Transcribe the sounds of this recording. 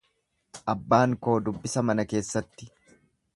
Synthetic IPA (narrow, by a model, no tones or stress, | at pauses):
ʔɐbːaːŋko̞ːd̪ʊbːɪsɐmɐnɐke̞ːsːɐt̪ːɪ̥